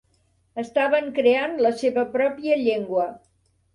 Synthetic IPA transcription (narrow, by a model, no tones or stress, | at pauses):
əst̪aβəŋkɾeanləseβəpɾɔpiəʎeŋɡwə